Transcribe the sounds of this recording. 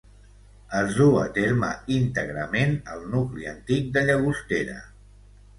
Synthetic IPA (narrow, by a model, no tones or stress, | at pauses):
əzðuə̰t̪eɾməint̪əɣɾəmenəlˠnukliə̰nt̪ik̚d̪əʎəɣ̞ust̪eɾə̰